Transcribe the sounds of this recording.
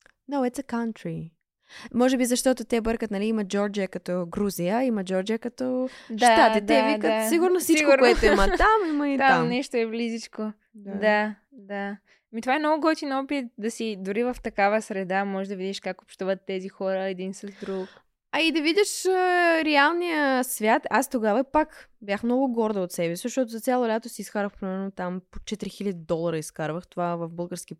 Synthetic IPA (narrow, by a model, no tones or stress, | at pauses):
noʊɛt̪səkant̪ɾi | mɔʒɛbizɐʃt̪ɔt̪ot̪ɛbəɾkət̪nɐliiməd͡ʒɔɾd͡ʒijəkɐt̪ɔɡɾuzijəimɐd͡ʒɔɾd͡ʒijəkɐt̪ɔd̪at̪at̪ɛt̪ɛviət̪siɡuɾnosiskiɡkuɾkɛt̪oimɐt̪amimɐit̪aammnɛʃt̪oɛvlizit͡ʃko | d̪a | d̪a | mit̪ovaɛnɔɡʊɡɔt̪inɔpit̪̚d̪ɐsid̪ʊɾivɐft̪ɐkavəsɾɛd̪amɔʒɛʒd̪ɐvid̪ʲiʃkakopʃt̪uvət̪ːɛzixɔɾəɛd̪insɐzd̪ɾuk | ɐid̪ɐvidʲəʃəɾɛalˠnijəsvʲjat̪ast̪oɡavɐpakbʲjaxmnɔɡʊɡɔɾd̪əot̪sɛbɛsizɐʃt̪ɔt̪ʊzɐt̪sʲjalˠolʲat̪osiːsxaɾvəxpɾɛmɛɾnot̪ampo̥t͡ʃɛt̪ɾixilʲəd̪ʲid̪ɔlˠɐɾəisxaɾvəxt̪ovavɐvbɤlˠɡəɾskʲi